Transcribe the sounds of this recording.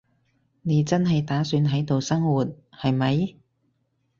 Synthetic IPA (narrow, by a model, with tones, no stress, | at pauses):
ne˨˧jt͡sɐ˥nɦɐ˨jt̪aː˨˥syː˨˧nɦɐ˨˥jt̪o˨wsɐ˥ŋwuː˨˩t̚ | hɐ˨jmɐ˨˧j